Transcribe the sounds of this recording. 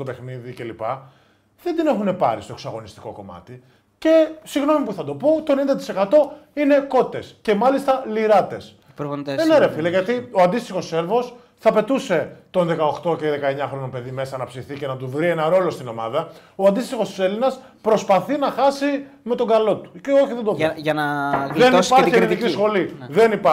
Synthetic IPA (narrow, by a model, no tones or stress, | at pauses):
t̪ope̞xniðice̞lipɐ | ðed̪ine̞xune̞pɐɾist̪o̞eksɐɣo̞nist̪i̥ko̞̰ko̞̰mɐ̰t̪i | ce̞siɣno̞mipuθɐd̪o̞pot̪oenind̪ɐt̪i̥se̞kɐt̪o̞ine̞ko̞t̪e̞sce̞mɐlist̪ɐliɾɐt̪e̞s | pɾoeneɾefilɐʝɐt̪io̞ɐnd̪ist̪ixo̞sse̞lvo̞s | θɐpe̞t̪use̞t̪o̞nðe̞kɐo̞xt̪o̞ceðe̞kɐe̞ɲɐxɾonope̞ðime̞sɐnɐpsiθice̞nɐt̪uvɾienɐɾo̞lo̞st̪ino̞mɐ̰ðɐoɐnd̪ist̪ixo̞st̪ise̞linɐs | pɾo̞spɐθinɐxɐsi | me̞t̪o̞ŋɡɐlo̞t̪u̥ceo̞çiðe̞nd̪ovɐnɐðenispɐçieɾit̪icisxo̞liðe̞nipa